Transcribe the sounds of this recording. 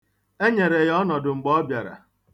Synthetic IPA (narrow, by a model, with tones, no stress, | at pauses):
e˦ɲe˨ɾe˨jɔ˦nɔ˨dʊ˨ŋ͡m̩˨ɡ͡bɔ˦bja˨ɾa̰˨